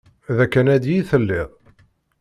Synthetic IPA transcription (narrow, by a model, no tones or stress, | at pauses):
ðækːænæd̪jiθəlːɪʁˤ